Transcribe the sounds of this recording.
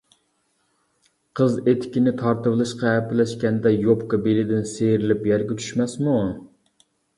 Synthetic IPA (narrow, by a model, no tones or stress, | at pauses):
qʰəzet̪ʰɪ̥kʲinɪt̪ʰɑɾt̪ɨvlˠɨʃqɑɛpɪlɛʃkʲɛnd̪ɛjopkɑbelɪd̪ɪnsejɾɪlɪpjɛɾɡʲɛt͡ʃʰy̥ʃmɛsmu